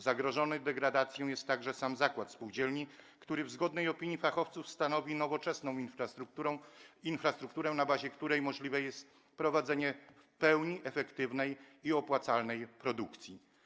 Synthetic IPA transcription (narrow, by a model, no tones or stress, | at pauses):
zaɡɾɔʐɔnɘd̪ɛɡɾad̪at̪sʲjɔ̃w̃jɛst̪ːaɡʐɛsamzakwat̪fspuwd͡ʑɛlɲikt̪uɾɘvzɡɔd̪nɛjɔpʲiɲifaxɔft̪sufst̪anɔvʲinɔvɔt͡ʂɛsnɔ̃w̃infɾɾ | infɾast̪ɾukt̪uɾɛnabaʑɛkt̪uɾɛjmɔʐlʲivɛjɛst̪ | pɾɔvad̪zɛɲɛfpɛwɲiʔɛfɛkt̪ɘvnɛjiɔpwat̪salnɛjpɾɔd̪ukt̪sʲji